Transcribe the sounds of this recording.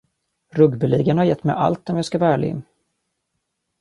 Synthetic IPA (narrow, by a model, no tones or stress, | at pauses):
ɾɵɡbəliːɡənhaɾjɛt̪ːmɛjʔa̰lt̪ɔmjɑːskavæːɭɪ̰n